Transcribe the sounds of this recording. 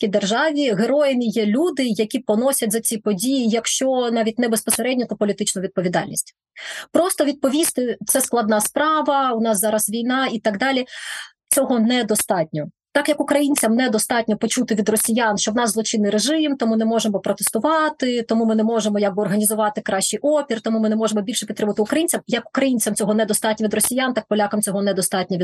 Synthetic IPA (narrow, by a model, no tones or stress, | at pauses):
kʲid̪erʒɑʋʲiɦeɾɔjɪnʲijɛlʲud̪ɪjɐkʲipɔnɔsʲɐtʲzɐt͡sʲipɔdʲijijɐkʃt͡ʃɔnɑʋʲit̚ʲnɛbespɔseɾɛdʲnʲɔt̪ɔpɔlʲit̪ɪt͡ʃnʊʋʲid̪̚pɔʋʲid̪ɑ̰lʲnʲḭsʲtʲ | pɾɔst̪ɔʋʲid̪̚pɔʋʲist̪ɪt̪sɛsklˠɐd̪nɑspɾɑʋɐʊnɑszɑɾɐsʋʲijnɑit̪ɑɡd̪ɑlʲi | t͡sʲɔɦɔnɛd̪ɔst̪ɑtʲnʲɔ | t̪ɑkjɐkʊkɾɐjinʲt͡sʲɐmnɛd̪ɔst̪ɑtʲnʲɔpɔt͡ʃut̪ɪʋʲid̪rɔsʲijanʃt͡ʃɔwnɑszlˠɔt͡ʃɪnːɪjɾeʒɪmt̪ɔmunɛmɔʒemɔpɾɔt̪est̪ʊʋɑt̪ɪt̪ɔmumɪnɛmɔʒemɔjaɡ̚bɨɔrɦɐnʲizʊʋɑt̪ɪkɾɑʃt͡ʃijʔɔpʲirt̪ɔmumɪnɛmɔʒemɔbʲilʲʃɛpʲit̪ɾɪmʊʋɐt̪ɪʊkɾɐjinʲt͡sʲɐmjɐkʊ̥kɾɐjinʲt͡sʲɐmt͡sʲɔɦɔnɛd̪ɔst̪ɑtʲnʲɔʋʲid̪rɔsʲijant̪ɑk̚pɔlʲakɐmt͡sʲɔɦɔnɛd̪ɔst̪ɑtʲnʲɐʋʲ